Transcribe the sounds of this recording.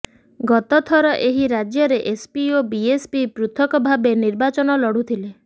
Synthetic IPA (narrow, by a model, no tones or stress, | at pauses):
ɡɔt̪ɔt̪ʰɔɾɔʔeɦiɾad͡ʒjɔɾeʔespiobiespipɾut̪ʰɔkɔbʱabeniɾbat͡ʃɔnɔlɔɽut̪ʰile